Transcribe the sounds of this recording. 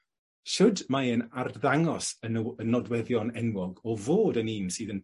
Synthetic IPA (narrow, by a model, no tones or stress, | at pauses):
ʃʊdmaənarðaŋɔsəənːɔdwɛðjɔnɛnwɔɡɔvoːdəniːmsɨːðən